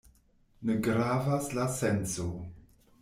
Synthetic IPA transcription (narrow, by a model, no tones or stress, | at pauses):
neɡɾavaslasenso